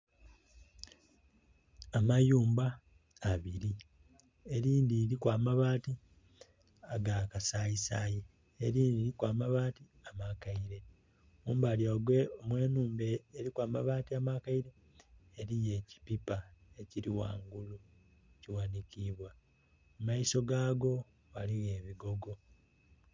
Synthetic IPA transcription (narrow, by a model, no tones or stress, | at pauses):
amajuːmbaː | βiɾi | e̞ɾiːndiɾikwaːmaβaːti | aɡakasaisaːji | eɾiːndiːɾikwaːmaβaːti | amakaiɾe̞ | muːmbaljaɡweomwe̞ːnuːmbeːɾikwaːmaβaːtiamakaiɾe̞ː | ɾije̞ːci̥pipaeciɾiwa̰ːŋɡulu | eciwaːnikiːβwa | mumaiso̞ɡaːɡo̞ | ɣaliɣeːβiɡo̞ɡo̞